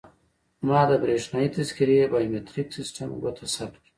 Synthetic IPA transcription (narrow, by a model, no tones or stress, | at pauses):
mɑːd̪əbɾeʂnaːit̪azkiɾebamet̪ɾiksisʈamɡot̪ʰasapki̥